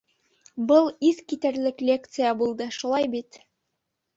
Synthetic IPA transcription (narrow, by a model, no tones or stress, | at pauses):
bɤlˠiθkit̪æɾlɘklʲe̞k̚t̪sɨjabulˠd̪ɤʃulˠɑjbit̪